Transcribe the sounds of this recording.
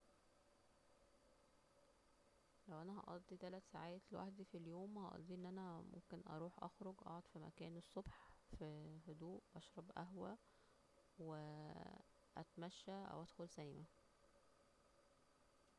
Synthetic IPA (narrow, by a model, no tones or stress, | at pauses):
læwʔænæɦɑ̰ʔɑd̪ˤːit̪ælæt̪saʕaːt̪lwa̰ħd̪ifiljoːmhɑʔɑ̰d̪ˤːiːʔenːʔænæmo̰mkenʔɑ̰ɾˤuːħʔɑ̰xɾoɡʔɑ̰ʕod̪ˤfimæ̰kæːnesˤːobħfihod̪uːʔʔɑʃɾˤɑbʔæɦwæ | we | ʔæ̰t̪mæʃːæʔæ̰wʔæd̪xolsælimæ